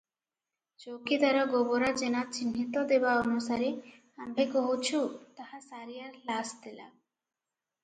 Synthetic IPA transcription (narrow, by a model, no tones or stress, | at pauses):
d͡ʑowkid̪aɾaɡɔboɾad͡ʑenat͡ɕinːit̪od̪ebaɔnusaɾe | ambʱekoɦot͡ɕʰut̪ahasaɾijaɾlasd̪ela̰